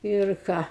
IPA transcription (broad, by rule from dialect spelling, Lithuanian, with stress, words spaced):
ɪr ˈkɑː